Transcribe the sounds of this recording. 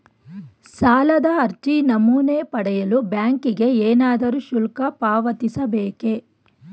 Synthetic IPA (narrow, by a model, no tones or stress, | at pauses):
saːlɐd̪ɐɐɾt͡ʃinɐmuːnepɐɽɛjɐlubjaːŋkiɡe̞eːnaːd̪ɐɾuʃulkɐpaːʋɐt̪isɐbeːke̞